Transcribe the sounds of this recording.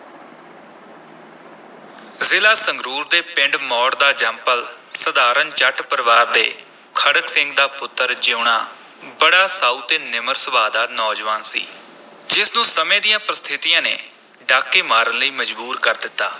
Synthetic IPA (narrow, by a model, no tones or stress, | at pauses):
zɪlaːsəŋɡɾuːɾd̪eːpɪ̃ɳɖmɔːʈd̪aːd͡ʒɛ̃ːmpəlsəd̪aːɾənt͡ʃəʈpəɾʋaːɾd̪ḛː | kʰəɽəksɪ̃ŋɡd̪aːpʊt̪ːəɾd͡ʒeʊɳaː | bəɽaːsaːuːt̪eːnɪməɾsəbaːd̪aːnɔːd͡ʒʋaːnsḭː | d͡ʒɪsnũːsəmẽːd̪ijãːpɾəst̪ʰɪt̪ijãːnḛː | ɖaːkːeːmaːɾənləiːməd͡ʒbuːɾkəɾd̪ɪt̪ːaː